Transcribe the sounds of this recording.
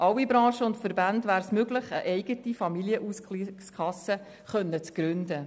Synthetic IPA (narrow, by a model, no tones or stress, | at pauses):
ʔɑwibɾɑ̃ːʃəʊntfəɾbændʋæːɾsmøɡlɪχəʔɛɪɡətifɑmiliəʔusiskʰɑsːə | χœnːət͡sɡ̥ɾʉndə